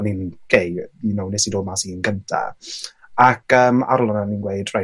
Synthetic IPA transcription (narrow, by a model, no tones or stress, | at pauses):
ninɡ̥ʰejinownɪsidoːmasinɡəntʰa̰ | akʰəːma̰ɾʊlˠɔnaninɡweɨdra